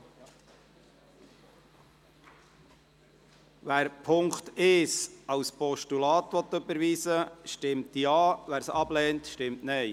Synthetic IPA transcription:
ʋæːɾpʰʊŋkt̪ɪʃɑwspɔʃtulɑːt̪ʋɔt̪ːɵbəɾʋiːsəʃtɪmtjɑːʋæːɾsɑblɛːntʃtɪmtnɛɪ

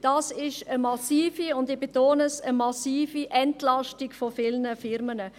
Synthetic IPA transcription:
d̥ɑːsɪʃəmɑsiːfiʊndɪb̥etoːnəsəmɑsiːfiʔɛntlɑʃtikfofɪlnəfɪɾmənə

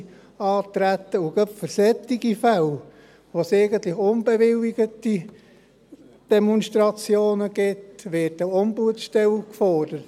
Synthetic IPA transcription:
ɑːt̪ɾæt̪ːəuɡœpfəɾsɛt̪ːiɡifæl | ʋoseɪɡənt̪lɪχʊnbɛʋɪliɡət̪i | d̥ɛmɔnʃt̪ɾɑt͡sjoːnəɡ̥ɪtʋɪːtəombuətʃtɛlkfɔrd̥əɾət

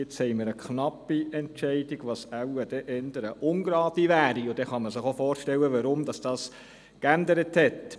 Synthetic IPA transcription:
jɪt͡shɛɪməɾəkʰnɑpːiɛntt͡ʃɛɪdɪɡ̥ʋɑsæwəd̥ɛʔɛndəɾəʔʊnɡɾɑːdiʋæːɾiʊd̥ɛχɑməsɪχofoːɾʃtɛwəʋɑɾʊmd̥ɑsd̥ɑːs | kændəɾəthɛt

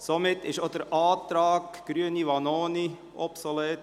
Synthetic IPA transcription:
somɪtːɪʃod̥əɾɑːtɾɑːkɡ̥ɾyəniʋɑnoːni | ɔpsolɛːt

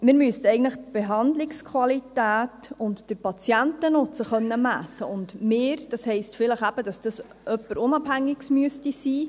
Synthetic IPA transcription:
mɪːɾmyəstɛɪɡən̩tləχt̚b̥eɦɑndlɪkskʰwɑlitæːtʊntd̥əɾpɑt͡sjæntənʊt͡səχœnːəmæsːəʊndmeːɾd̥ɑshɛɪstfɪləχæb̥əd̥ɑsd̥ɑs | ʔœpːəɾʊnɑb̥hæŋːɪksmyəstisiː

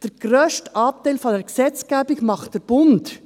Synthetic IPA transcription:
d̥əɾɡ̥ɾœːʃtʔɑːt̪æɪlfɔdɛɾksɛt͡sɡ̥æːbɪɡmɑχtd̥əɾb̥ʊnt

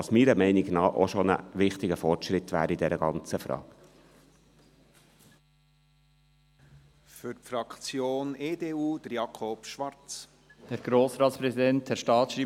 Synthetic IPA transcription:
ɑsmiːɾəmɛɪnɪɡnɑːʔoʃɔnə̰ʋɪχt̪ɪɡəfɔrtʃɾɪt̪ʋæ̰ːɾid̥ɛɾəɡ̥ɑnt͡səfɾɑ̰ːɡ̥ | fʏɾtfɾɑkt͡sjoːneːdeːuːd̥̪əɾjɑkʰopʃʋɑɾt͡s | hɛɾɡ̥ɾoːsɾɑːtspɾɛsidɛnthɛɾʃtɑːt̪ʃɾiː

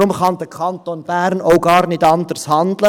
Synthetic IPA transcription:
ʊmχɑnd̪əkʰɑnt̪onb̥æːɾnoʊɡɑːɾnɪdɑndəɾshɑnd̪lə

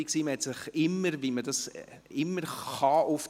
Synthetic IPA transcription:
iksiːməhɛtsɪχɪmːəɾʋimədɑs | ɪmːəɾχɑʔʊf

